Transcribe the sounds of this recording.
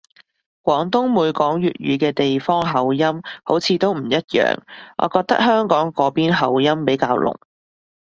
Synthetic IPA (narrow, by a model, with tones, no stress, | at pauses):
kwʷɔː˨˥ŋt̪ʊ˥ŋmuː˨˧jkɔː˨˥ŋjyː˨t̚jyː˨˧kɛː˧t̪e˨jfɔː˥ŋɦɐ˨˧wjɐ˥mho˨˥wt͡sʰiː˨˧t̪o˥wm̩˨˩jɐ˥t̚jœ̰ː˨˩ŋʔɔ̰ː˨˧kɔː˧k̚t̪ɐ˥k̚hœː˥ŋkɔː˨˥ŋkɔː˨˥piː˥nɦɐ˨˩wjɐ˥mpe˨˥jkaː˧wlʊ̰˨˩ŋ